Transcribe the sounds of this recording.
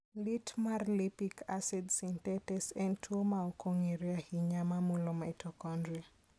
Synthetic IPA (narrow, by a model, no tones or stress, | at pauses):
litmarlipikʰasidsintɛtɛsɛntʰuomaɔkɔŋiɾiahiɲamamulɔmaitɔkɔnda